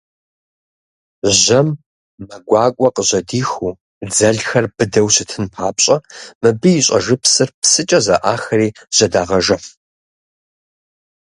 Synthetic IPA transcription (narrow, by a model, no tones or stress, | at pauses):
ʒɐmː | ɐɡʷɑːkʷʼɔqəʑɐdiːxuː | d͡zɐɮxɐrbɨdɐwsɨtʰɨnpʰaːpɕʼɐmɨbɨjɪɕʼɐ̰ʒɨpsɨrpsɨt͡ʃʼɐzɐ̰ʔaːxɐriːʑ̥ɐdaːʁɐʒɐf